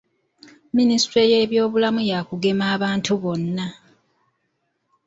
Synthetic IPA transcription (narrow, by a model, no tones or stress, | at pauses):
ministɾeje̞ːβjo̞ːβulamujaːkuɡe̞maːβaːntuβo̞nːa